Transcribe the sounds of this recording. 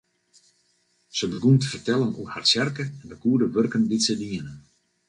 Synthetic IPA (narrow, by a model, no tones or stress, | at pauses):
səbəɡuntəfərtɛlˠənṵəharsjɛrkəɛndəkuədəʋørkənditsədiənən